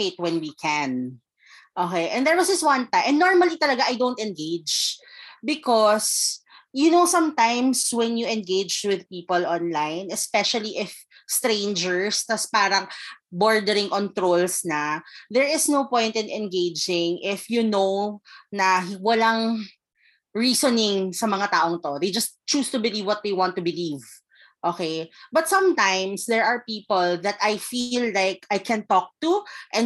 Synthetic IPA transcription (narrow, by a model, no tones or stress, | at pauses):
ket̪̚wɛnwikʰɛ̃n | ʔoːkɛʔɛ̃nd̪ɛɹwɐsd͡ʒɐst̪̚wɐ̃nt̪aʔɛ̃nːnɔɹmɐlit̪ɐlɐɡaʔɐjd̪ownt̪ɛ̃nɡeɪd͡ʒbɪkɔs | jʊnowsɐ̃mt̪ãjmswɛnjuʔɛ̃nɡejd͡ʒwɪðpiːpəlʔɔ̃nlajnɛspɛʃɐliʔɪf | st̪ɾẽɪnd͡ʒɛɹst̪ɐspaːɾɐboɹd̪ɛɾɪ̃ŋkɔnt̪ɾolsnɐðɛɹɪsnowpɔ̃jnt̪ɪ̃nʔɛ̃nɡejd͡ʒɪ̃ŋʔɪfjunownɐwɐlaŋ | ɹiːsonɪŋsɐmɐŋat̪aːʔoŋt̪od̪ejd͡ʒɐst̪t͡ʃuːst̪ʊbɪlivwɔt̪̚d̪ejwãnt̪ːʊbɪliv | ʔoːkejbɐt̪̚sɐ̃mt̪ãjmsd̪ɛɹʔɐɹpiːpolðɐt̪ajfilːajkajkʰɛ̃nt̪ɔk̚t̪uʔɛ̃n